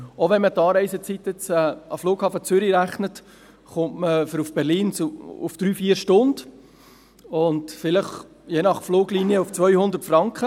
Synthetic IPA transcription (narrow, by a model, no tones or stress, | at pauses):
oʋɛnmət̪ɑːɾɛɪsət͡sit̪jɪt͡sɛːɑfloːkhɑːfət͡sʏɾiɾæχnət | χʊntməfəɾufb̥ɛɾliːnt͡suufd̥ɾyːfiːəɾʃtʊnd | ʊndfɪləχ | jeːnɑχfloːɡliːniəuft͡sʋœʏhʊnd̪ərtfɾɑŋkχə